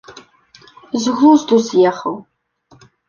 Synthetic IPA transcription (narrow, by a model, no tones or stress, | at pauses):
zɣʷʊzdusjɛχɐw